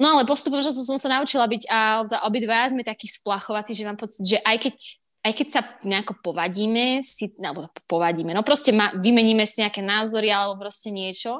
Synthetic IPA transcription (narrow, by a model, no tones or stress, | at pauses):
nɔalɛpɔst̪upɛmɔʒnɔs̬ɔsɔmsanaut͡ʃilabiɟaɛt̪a̰ʔɔbid̪ʋajazmɛt̪akiːsplaxɔʋat͡siːʒɛmaːmpɔt͡sid̪ʒɛʔajkɛc | ajkɛcsaɲɛakɔpɔʋaɟiːmɛsialɛbɔpɔʋaɟiːmɛnɔpɾɔscɛmaːʋimɛɲiːmɛsiɲɛakɛːnaːzɔɾialɛbɔpɾɔscɛɲɪɛt͡ʃɔ